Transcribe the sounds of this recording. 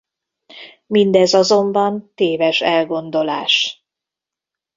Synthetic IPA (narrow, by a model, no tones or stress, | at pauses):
mind̪ɛzɒzo̞mbɒnt̪eːvɛʃɛlɡo̞nd̪o̞la̰ːʃ